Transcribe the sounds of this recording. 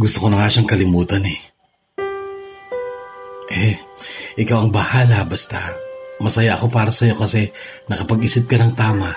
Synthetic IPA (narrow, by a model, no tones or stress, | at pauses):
ɡʊst̪okonɐŋaʃaŋkɐlɪmuːt̪ɐnɛ | ʔɛ | ʔɪkawɐŋbɐhaːlɐbast̪amɐsɐjaʔɐko̞paːɾɐsɐjo̞kɐsɛnɐkɐpɐɡiːsɪp̚kɐnɐŋt̪aːmaʔ